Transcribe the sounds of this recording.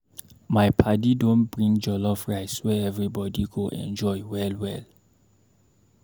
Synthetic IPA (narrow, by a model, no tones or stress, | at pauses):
majpʰadidɔ̃ntb̥ɹĩŋd͡ʒɔlɔfɹajswɛɛvɹibɔdiɡoʔɛ̰̃nd͡ʒɔjwɛlwɛl